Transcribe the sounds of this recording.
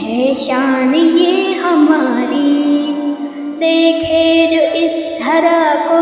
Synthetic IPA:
ɦɛʃaːnijeːɦɐmaːɾi | d̪eːkʰeːd͡ʒoːʔɪst̪ʰɐɾako

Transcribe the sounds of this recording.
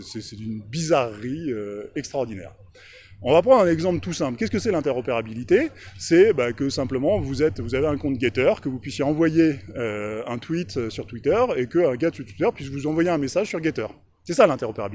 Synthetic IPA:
sɛsɛt̪ynbizaʁːiøɛkst̪χaɔʁd̪inɛ̰ːʁ | ɔ̃vapχɑ̃d̪ʁɛ̃nɛɡzɑ̃plt̪usɛ̃plkʲɛskəsɛlɛ̃t̪ɛʁɔpeʁabilit̪esɛbakəsɛ̃pləmɑ̃vuzɛt̪vuzaveɛ̃kɔ̃t̪̚ɡʲet̪œʁkəvupɥisjeɑ̃vwajeøɛ̃t̪wit̪øsyʁt̪wit̪œʁekəɛ̃ɡʲat̪syʁt̪wit̪œʁpɥis̬vuzɑ̃vwajeɛ̃mesaʒsyʁɡʲet̪œːʁ | sɛsalɛ̃t̪ɛʁɔpeʁabi

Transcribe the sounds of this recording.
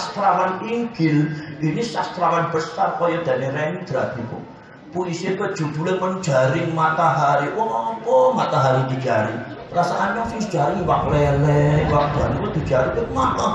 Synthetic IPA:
st̪ɾawaniŋɡɪlʔinisast̪ɾawanb̥ə̤sarpɔjɔd̪̥ä̤nerɛniŋd̪̥ɾat̪ikʊ̰ | pulisiəkəd̥ʒ̥ṳb̪̥ulemən̥d͡ʒ̥a̤ɾɪŋmat̪aɦaɾiwɔŋɔpɔmat̪aɦaɾiŋd̥̪id͡ʒ̥a̰ɾḭɾasaʔanjɔŋsiŋsd̥d͡ʒ̥aɾɪŋwaklɛlɛwak̚d̪̥uanikɔd̪̥i̤̥d͡ʒ̥aɾikʊt̪̚maʔə

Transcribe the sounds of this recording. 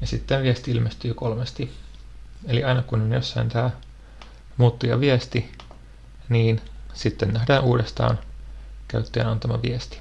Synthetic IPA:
jɑsit̪ːenʋiest̪iilmest̪yːkolmest̪i | eliɑinɑkunonjosːɑint̪æː | muːt̪ːujɑ̰ʋiɛst̪i | niːnsit̪ːennæhdæːnʔuːdest̪ɑ̰ːnkæyt̪ːeːnɑnt̪ɑmɑʋiest̪i̥

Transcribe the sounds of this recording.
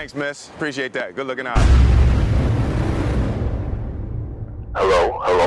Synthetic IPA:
æ̃ŋksmɪs | pʰɹ̥iʃieɪt̪̚ðæt̚ɡ̥ʊdˡlʊkɨ̃naʊt̚ | hɛloʊhəlo

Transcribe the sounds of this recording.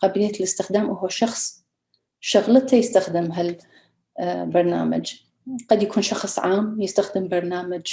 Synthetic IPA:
qɑbilɪjalɪst̪ɪxd̪aːmʔʊhwaʃɑxsˤ | ʃʊɣlət̪ajɪst̪axd̪ɪmɦal | bɑɾˤna̰ːma̰d͡ʒ | qɑd̪jakʰuːnʃɑxsˤʕaːmjɪst̪axd̪ɪmbɑɾˤnaːmad͡ʒ

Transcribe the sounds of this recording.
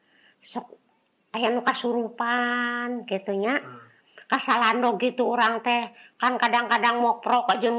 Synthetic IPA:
sɔk̚ | ajanukasuɾupankit̪uɲa | kasalandɔɡit̪uːɾaŋt̪ɛkankadaŋkadaŋmɔk̚pɾɔkad͡ʒun

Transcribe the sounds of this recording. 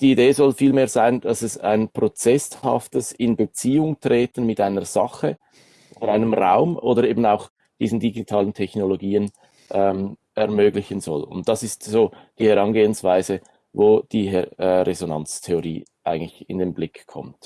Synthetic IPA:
d̥iːideːzɔlfiːlmeːɐzaɪnd̥ɑsɛsa̰ɪnpʁot͡sɛshɑ̰ftəsɪnbət͡siːʊŋtʁ̥eːtən̩mɪtaɪnəz̥ɑχə | ʔʔʔodəaɪnəmʁa̰ʊmo̰ːdəɾeːbn̩aʊx | d̥iːzn̩diɡitʰɑːləntʰɛçnoloɡiːən | ʔɛm | ɛʁmøːɡlɪçənzɔlʊ̰nt̚d̥ɑsɪstz̥oːd̥iːhɛʁɑnɡeːənsv̥aɪzə | voːd̥iːɛɛɾezonant͡stʰeoʁḭːʔa̰ɪɡəŋ̩tlɪçɪ̰ndenblɪkkʰɔ̰mt

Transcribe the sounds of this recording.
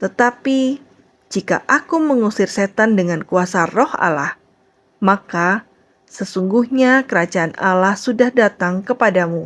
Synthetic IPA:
t̪ət̪api | d͡ʒika̰ʔakuməŋusɪrset̪andəŋankuasarɔha̰lah | maka | səsuŋɡuhɲakəɾad͡ʒaːna̰lahsudahdat̪aŋkəpadamu

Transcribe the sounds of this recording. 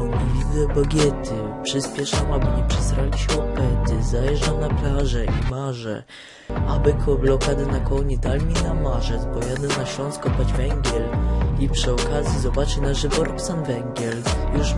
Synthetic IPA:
ivʲid̪ɛbɔɡʲjɛt̪ʰɘpʂɘspʲjɛʂamabɘɲɛpʂɛsɾalʲiɕɛwɔpɛt̪ɘzajɛʐdawnaplaʐɛʔimaʐɛ̰ | abɘkʰɔblɔkad̪ɘnakɔɲɛd̪almʲinamaʐɛzbɔjad̪ɛnaɕlɔ̃ñskɔpad͡ʑvɛŋɡʲjɛlipʂɘɔkazʲjizɔbat͡ʂɘnaʐɘvɔɾɔsanvɛŋɡʲjɛljuʂ

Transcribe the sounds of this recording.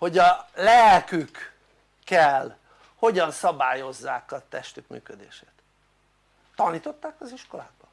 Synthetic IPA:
ho̞ɟɒlɛlkykː | ɛl | ho̞ɟɒnsɒbaːjo̞zːaːkɒt̪ɛʃt̪ykmy̰ːkød̪ḛːʃeːt̪ | t̪ːɒniːt̪o̞t̪ːaːkɒziʃko̞laːɡ̚bɒ

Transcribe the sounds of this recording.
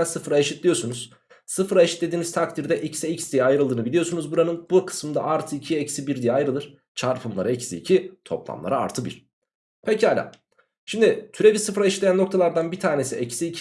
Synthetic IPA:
nsɯfɾaeʃit̪lʲijo̞sunuz̥ | sɯfɾaeʃit̪lʲed̪iːnizt̪ʰak̚t̪ʰiɾd̪ɛʔicsiecsd̪ijɛajɾɯlˠd̪ɯːnɯbilʲijo̞sunuzbuɾanɯnbukʰɯ̥smɯmd̪a̰ʔaɾt̪ʰɯicʰiecsibiɾd̪ijɛajɾɯlˠɯɾ̥ | t͡ʃʰaɾpʰɯmlˠa̰ɾaecsḭːcʰit̪ʰo̞̰plˠa̰mlˠa̰ɾaa̰ɾt̪ʰɯbḭɾ̥ | pʰecihalʲa̰ | ʃimd̪ɪt̪ʰyɾe̞bisɯfɾaeʃi̥t̪lʲejanːo̞kt̪ʰalˠaɾd̪anbit̪ʰaːne̞siecsiːcʰ

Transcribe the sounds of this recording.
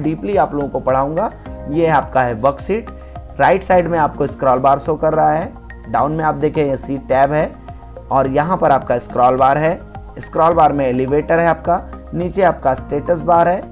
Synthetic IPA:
ɖiːpliaːploːɡõkopɐɽ̤aːũːŋɡaː | jeaːp̚kaɦɛbəksiːʈ | ɾaːɪʈsaːɪɖmẽaːp̚koɪskɾɔːlbaːɾsoːkɐɾːaɦaɦɛ | ɖaːʊnmẽaːp̚d̪eːkʰẽsiːʈʈɛːbɦɛ | ɔːɾjɐɦãpɐɾaːp̚kaɪskɾɔːlbaːɾɦɛ | ɪskɾɔːlbaːɾmẽeliʋeːʈəɾɦɛaːp̚kaniːt͡ʃeaːp̚kasʈeːʈəs̬baːɾɦɛː

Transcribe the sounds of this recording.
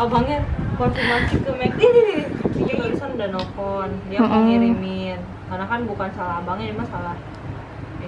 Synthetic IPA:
abaŋɛtkɔnfirmasikəmɛk̚dididisikakalisanudanokɔndiakaŋiɾimin | kanakanbukansalahbaŋɛimasalah

